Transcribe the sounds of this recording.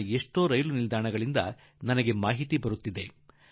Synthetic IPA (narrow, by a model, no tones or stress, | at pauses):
eʂʈo̞ːɾɐjlunild̪aːɳɐɡɐɭind̪ɐ | nɐnɐɡe̞maːɦit̪ibɐɾut̪ːid̪e̞